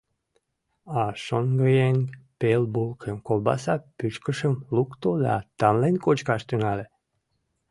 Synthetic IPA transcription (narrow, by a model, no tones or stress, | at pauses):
ɑʃonɡəjenpelbulkʰemkolbɑ̰sɑpyt͡ʃkəʃəmlukt̪od̪ɑ̰t̪ɑmlenkot͡ɕkɑʃt̪ynɑle